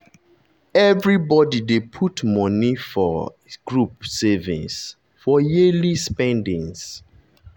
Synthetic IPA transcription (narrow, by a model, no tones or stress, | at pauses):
ɛvɹibɔdidepʰutmɔ̃nifɔ | ɡ̥ɹupsɛvḭ̃ns | fɔjelispɛ̃ndĩŋs